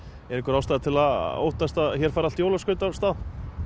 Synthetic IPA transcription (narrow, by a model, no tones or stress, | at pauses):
ɛɾɪŋkʏɾawst̪aːðɪt̪ʰɪlaðo̰ːwht̪ast̪aðçɛɾ̥faːɾalt̪jowlaskʏnt̪ast̪aːð